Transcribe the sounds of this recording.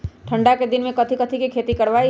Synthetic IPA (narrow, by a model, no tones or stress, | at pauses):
ʈʰə̃ɳɖaked̪ɪnmẽkɐt̪ʰikət̪ʰikikʰeːt̪ikəɽʋai